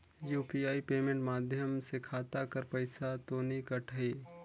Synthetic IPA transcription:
juːpiaːipeːmẽɳʈmaːd̪ʱjəmsekʰaːt̪akəɾpəɪsat̪oːnikəʈʰəeː

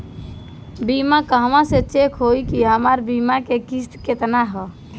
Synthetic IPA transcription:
bimakəɦʋãset͡ʃekʰɦoikiɦəmaɾbimakekist̪ket̪naɦɔ

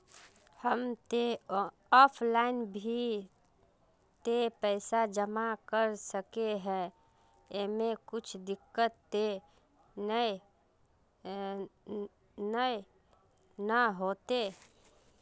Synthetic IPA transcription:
həmt̪e | ɔːpʰlaːɪnbʱi | t̪epɛɪsad͡ʒəmakəɾsəkeɦɛ̃ | emẽkʊt͡ʃʰd̪ɪkːət̪ːe | nə | nə | nəɦoːt̪e

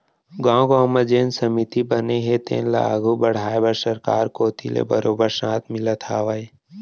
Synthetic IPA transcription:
ɡãːɡãːməd͡ʒeːnsəmɪt̪ibəneɦet̪ḛ̃ːnla̰ːɡʱubəɽ̤aːebəɾsəɾkaːɾkoːt̪ʰilḛbəɾoːbəɾsãːt̪ʰmɪlət̪ʰaːʋae

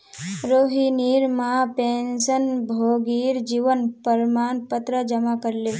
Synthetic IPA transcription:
ɾoːɦiniːɾmapeːnsənbʱoːɡiːɾd͡ʒiʋənpəɾmaːnpət̪ɾəd͡ʒəmakəɾle

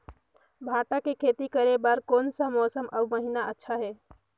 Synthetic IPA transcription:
bʱaːʈakekʰet̪ikəɾebaɾkonsəmɔːsəmʔə̰bməɦinaətːʃʰaɦɛː

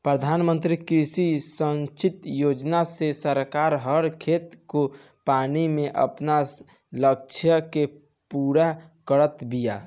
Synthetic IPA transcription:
pɾəd̪ʱaːnmə̃nt̪ɾikɾisisə̃nt͡ʃit̪jod͡ʒnasesəɾkaːɾɦəɾkʰet̪ko | panimẽʔə̰pna | lək̚t͡ʃʰjəke | puɾakəɾət̪bija̰

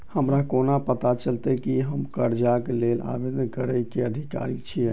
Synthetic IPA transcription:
həmɾakonapət̪at͡ʃəlt̪əkiɦəmkəɾd͡ʒakelela̰bed̪kəɾəjkeəd̪ʱika̰ɾit͡ʃʰi

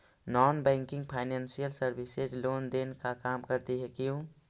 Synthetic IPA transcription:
nɔːnbɛ̃ːŋkɪ̃ŋɡpʰaːɪnɛ̃ːnsijəlsəɾbɪsed͡ʒloːnd̪eːnkakaːmkəɾt̪iɦɛkijõː

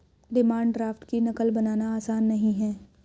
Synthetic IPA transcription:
ɖɪmaːɳɖɖɾaːfʈkinɐkəlbɐnaːnaaːsaːnːɐɦĩɦɛ̃ː

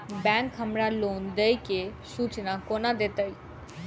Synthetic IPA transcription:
bɛ̃ːŋkhəmɾaloːnd̪əikesuːt͡ʃnakoːnad̪eːt̪əi

